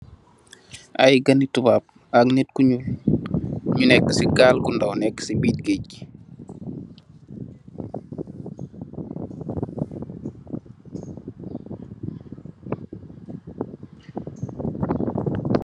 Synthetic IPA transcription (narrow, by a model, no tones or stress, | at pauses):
ʔa̰jɡənitubap̚ | aknitkuɲul | ɲunɛkːəsiɡaːlkundawnɛkːsibiːc̚ɡeɟ